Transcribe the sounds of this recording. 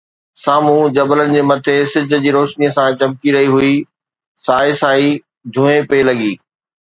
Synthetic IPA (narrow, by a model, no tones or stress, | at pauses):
saːmũd͡ʑɐbələnɪ̆d͡ʑeːmɐt̪ʰesɪd͡ʑʱʊ̆d͡ʑiːɾoːʃnijəsãt͡ɕɐmkiɾɐɦiɦʊi | saːɪsaːi | d̪ʱũẽpelɐɡiː